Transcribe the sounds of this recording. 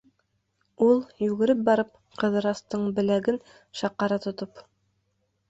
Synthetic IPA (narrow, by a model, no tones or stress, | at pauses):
ulˠjʉɡɘ̆ɾɘp̚bɑɾɤp̚ | qɤ̆ðɤ̆ɾɑst̪ɤɴbɘ̆læɡɘn | ʃɑqːɑɾɑt̪ŏt̪op